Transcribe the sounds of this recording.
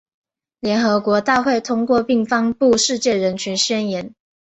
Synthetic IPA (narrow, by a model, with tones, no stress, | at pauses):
ljɛ˧˥nxɤ˧˥˦kwɔ˧˥t̪a˥˧xwe˥˩ɪt̪ʰʊ˥ŋkwɔ˥˧pi˥˩ŋfɑ˥ŋpu˥˧ʂɻ̩˥˧t͡ɕjɛ˥˩ɻə˧˦nt͡ɕʰɥɛ˧˥nɕɥɛ˥njɛ˨˥˦n